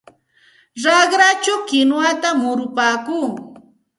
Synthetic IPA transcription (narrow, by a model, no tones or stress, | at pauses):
ɾɑχɾat͡ʃawkɪnwat̪amʊɾʊpaːkuː